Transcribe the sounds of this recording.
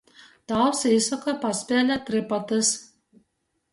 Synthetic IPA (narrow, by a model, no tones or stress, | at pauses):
t̪ɑˑʊsʲɛɪsɔkɐpɐsʲpʲeːlʲɛt̪ʲɾʲɪpɐt̪ʲɪs